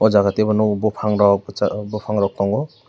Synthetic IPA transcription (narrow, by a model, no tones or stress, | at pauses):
ɔd͡ʒaɡatebɔnɔbɔpʰaŋɾɔk̚abɔpʰaŋɾɔk̚tɔŋɔ